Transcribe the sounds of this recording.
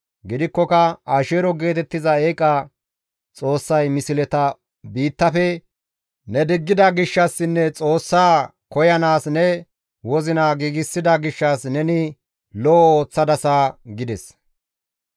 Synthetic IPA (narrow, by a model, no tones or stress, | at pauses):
ɡɪd̪ɪkːɔkɐaːʃeːɾɔɡe̞ːt̪ɛt̪ːɪzɐeːkʼɐ | t͡sʼo̞ːsːɐjmɪsɪlɛt̪ɐ | biːt̪ːɐfɛ | nɛd̪ɪɡːɪd̪ɐɡɪʃːɐsːɪnːɛt͡sʼo̞ːsːaː | kɔjɐnaːsnɛ | wɔzɪnaɡiːɡɪsːɪd̪ɐɡɪʃːɐsnɛnɪ | lɔʔoːt͡sːɐd̪ɐsaɡɪd̪ɛs